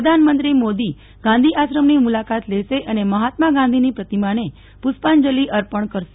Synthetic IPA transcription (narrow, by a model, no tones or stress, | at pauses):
əd̪ʱanmənt̪ɾimod̪i | ɡ̥ãnd̪ʱiʔaʃɾəmnimulakat̪leʃeʔəneməɦat̪maɡãnd̪ʱinipɾət̪imaɽ̃e | puspand͡ʒəliʔəɾpəɳkəɾʃe